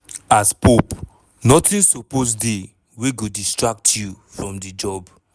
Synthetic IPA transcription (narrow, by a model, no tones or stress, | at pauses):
aspop | nɔtĩnsoposde | weɡodistɹak̚tʰju | fɹɔ̃mdid͡ʒɔb